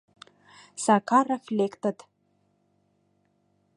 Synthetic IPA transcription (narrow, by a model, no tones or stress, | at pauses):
sakʰarafʲlʲekt̪ʰat̪ʰʼ